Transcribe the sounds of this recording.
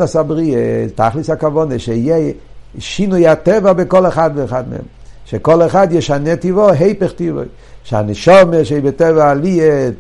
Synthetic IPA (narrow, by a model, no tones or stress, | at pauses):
asabʁieta̰χlishakavɔneʃejɛ | ʃinujhatɛvabekɔleχadveːχadmḛɛ̰m | ʃekɔleχadjeʃanetivoɦejpeχtivo̰j | ʃea̰nɛʃɔmeʃeibetɛvaːlie